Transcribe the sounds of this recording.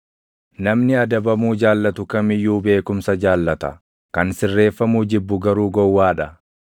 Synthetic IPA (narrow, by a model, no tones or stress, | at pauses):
nɐmnɪɐd̪ɐbɐmuːd͡ʒaːlːɐt̪ʊkɐmɪjːuːbe̞ːkʊmsɐd͡ʒaːlːɐt̪ɐ | kɐnsɪrːe̞ːfːɐmuːd͡ʒɪbːʊɡɐɾuːɡɔwːaːᶑɐ